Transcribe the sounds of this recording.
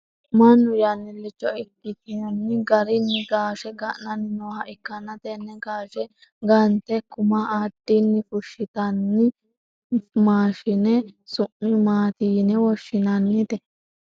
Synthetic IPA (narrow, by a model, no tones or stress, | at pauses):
mɐnːʊjɐnːɪlːɪt͡ʃːɔɪkːɪt̪ɪjɐnːɪɡɐɾɪnːɪɡaːʃɛɡɐʔnɐnːɪnoːhɐʔɪkːɐnɐt̪ɛnːɛɡaːʃɛ | ɡɐnt̪ɛkʊmɐaːd̪̥ːinːɪfʊʃːɪt̪ɐnːɪ | maːʃɪnɛsʊʔɪmaːt̪iːnɛwɔʃːɪnɐnːɪt̪ɛ